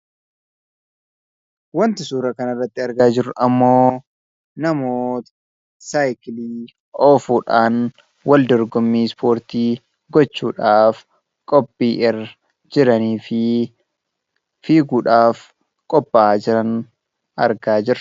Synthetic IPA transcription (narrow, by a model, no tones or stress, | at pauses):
wɐnt̪ɪsuːɾɐkɐnɐrːɐt̪ːɪɐɾɡaːd͡ʒɪɾʊʔɐmːoː | nɐmoːt̪ɐ̥ | saːjkɪliː | ʔɔːfuːᶑaːn | wɐld̪ɔɾɡɔmːiːspʰo̞ːɾt̪iː | ɡɔt͡ʃːuːᶑaːf | kʼɔpʼːiːʔɪr | d͡ʒɪɾɐniːfɪ | fiːɡuːᶑaːf | kʼɔpʼːad͡ʒɪɾɐn | ɐɾɡaːd͡ʒɪɾɐ